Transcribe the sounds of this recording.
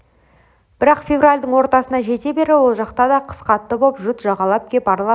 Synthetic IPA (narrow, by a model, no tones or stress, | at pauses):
b̥ɪɾɑqfʲe̞vralʲd̪əɴwo̞ɾt̪ɑsənɑʒe̞t̪e̞be̞ɾɪwo̞lˠʒɑqt̪ɑd̪ɑqʰə̥sqɑt̪ːəbopʒʊt̪ʒɑʁɑlˠɑp̚kʲepbɑɾlˠɑə